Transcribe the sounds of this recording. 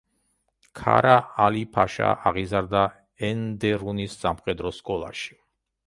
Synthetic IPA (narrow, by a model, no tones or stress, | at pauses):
kʰa̰ɾaalipʰaʃa̰ʔaʁizaɾd̪a | ɛnd̪ɛɾunisːamχɛd̪ɾɔskʼɔlˠa̰ʃi̥